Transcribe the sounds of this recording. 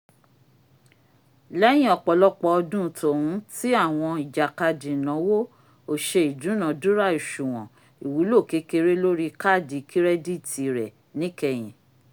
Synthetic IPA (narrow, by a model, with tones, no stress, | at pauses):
lɛ˦j̃ĩ˦ɔ˧k͡pɔ˨lɔ˦k͡pɔ˧ɔ˧dũ˦˨˦to˨hũ˨˦ti˦a˦˨w̃ɔ̃˧i˨d͡ʒa˨ka˧di˨nã˨˦wo˦ | o˨ʃe˧i˨dũ˨˦nã˨dũ˦ɾa˦˨i˨ʃu˨w̃ɔ̃˨ | i˨wu˨˦lo˦˨ke˨˦ke˧˦ɾe˦lo˦ɾi˦˧ka˦˨di˨˧kʰi˦ɾɛ˦di˦˨ti˨ɾɛ˨ | nĩ˨˦kɛ˧˨j̃ĩ˨